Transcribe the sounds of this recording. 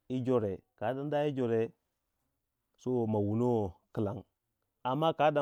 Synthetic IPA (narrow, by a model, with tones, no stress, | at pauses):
i˦d͡ʒo˨ɾe˨ka˨˦da˨nda˦i˦d͡ʒo˨ɾe˨ | so˦ma˨wu˨no˦ki˨la˨ŋ | a˨mːa˦ka˦da˨˦